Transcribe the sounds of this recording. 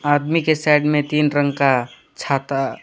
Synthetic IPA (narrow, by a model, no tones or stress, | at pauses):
aːd̪mikesaɪɖmẽt̪iːnɾə̃ŋɡka | t͡ʃʰaːt̪a